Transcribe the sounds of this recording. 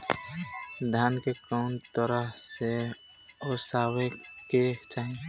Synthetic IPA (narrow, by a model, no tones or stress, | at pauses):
d̪ʱjaːnkekəʊnt̪əɾəɦse | ɔːsaːweket͡ʃaːɦĩ